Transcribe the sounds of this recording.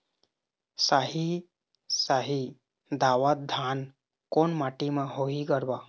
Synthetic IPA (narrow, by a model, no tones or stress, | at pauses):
saɦi | saɦi | d̪awət̪̚d̪ʱan | konmaʈimeɦoɦiɡəɾba